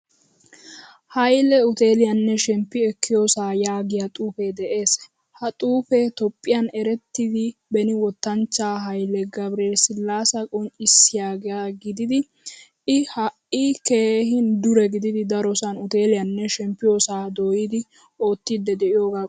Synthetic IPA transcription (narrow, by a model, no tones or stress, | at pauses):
hɐjlɛʊt̪e̞ːlɪjɐnːɛʃɛmpːɪɛkʰːɪjoːsaːjaːɡɪjat̪ʼuːfed̪ɛʔe̞ːs | hɐt̪ʼuːfɛt̪ɔpʼːɪjanɛɾɛt̪ːɪd̪ɪbɛnɪwɔt̪ːɐnt͡ʃːaːɦɐjlɛɡɐbɾeːsɪlːaːsɐkʼɔnt͡ʃʼɪsːɪjaːɡjaɡɪd̪ɪd̪ɪ | ɪhɐʔɪke̞ːhɪnd̪ʊɾɛɡɪd̪ɪd̪ɪd̪ɐɾɔsɐnʊt̪e̞ːlɪjɐnːɛʃɛmpːɪjoːsaːd̪oːjɪd̪ɪ | o̞ːt̪ːid̪ːɛd̪ɛʔɪjoːɡa